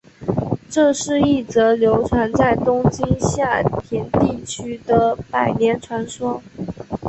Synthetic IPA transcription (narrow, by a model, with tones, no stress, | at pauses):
ʈ͡ʂɤ˥˧ʂɻ̩˥˧i˥˩t͡sɤ˧˥ljo˧˥ʊʈ͡ʂʰwa˧˥nt͡sa˥˩ɪt̪ʊ˥ŋt͡ɕi˥nɕja˥˩t̪ʰi˧˥nt̪i˥˩t͡ɕʰy˥d̪ə˨pa˨˩ɪnjɛ˧˥nʈ͡ʂʰwa˧˥nʂwɔ˥